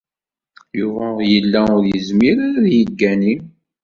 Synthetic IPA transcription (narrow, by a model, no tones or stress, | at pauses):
juvæjəlːæʊɾjəzmiɾaɾaðjəɡːænim